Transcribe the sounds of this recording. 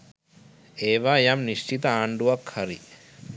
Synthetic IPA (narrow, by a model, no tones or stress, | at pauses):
eːʋajamniʃt͡ʃit̪ɐaːɳɖuʋɐkʰhɐɾḭ